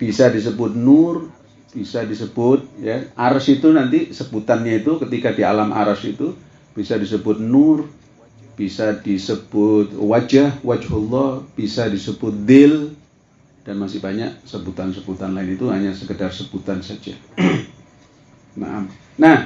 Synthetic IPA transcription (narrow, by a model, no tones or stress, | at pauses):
b̥isadis̬əbʊt̪̚nʊr | b̥isadisəb̥ʊt̪̚jaʔaɾasit̪unant̪isəbut̪anɲait̪ukət̪ikadia̰lamʔa̰ɾasit̪u | b̥isadis̬əbʊt̪̚nʊr | b̥isadisəb̥ʊt̪̚wad͡ʒahwad͡ʒhɔlːɔhb̥isadisəbʊt̪̚d̪ɪl | d̥anmasɪhbaɲa̰ʔsəbut̪ansəbut̪anlaɪnit̪uɦaɲasəkədarsəb̥ut̪ansad͡ʒa | na̰ʔa̰m | nah